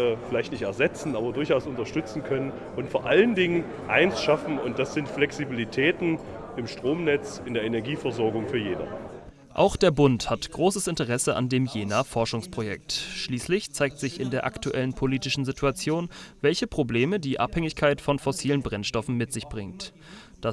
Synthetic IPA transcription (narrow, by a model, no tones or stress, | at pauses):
fɪlaɪçtnɪçtɛɐzɛt͡sn̩ʔaːbɐdʊɐçaʊsʊntɐʃtʏt͡sn̩kʰœnən | ʊntfoːɐʔaləndɪŋən | ʔaɪnsʃafn̩ʊnt̚d̥asz̥ɪntflɛksibilitʰɛːtn̩ | ɪmʃtʁ̥oːmnɛt͡sɪndeːɐenɛɐɡiːfɛɐzɔɐɡʊŋfyːɐjeːnɐ̰ | ʔa̰ʊxd̥eːɐbʊnthatɡ̥ʁoːsəsɪntəʁ̞ɛsəʔa̰ndeːmjeːnafɔɐʃʊŋspʁ̥ojɛ̰k̚tʃliːslɪçt͡saɪk̚tz̥ɪçɪndeːɐʔa̰ktuʔɛlənpʰoliːtɪʃn̩zitʰuat͡sjoːnvɛlçəpʁ̥obleːmədiːʔa̰phɛŋɪçkʰaɪtfɔnfɔsiːlənbʁɛnʃtɔfn̩mɪtz̥ɪçb̥ʁɪŋt | d̥a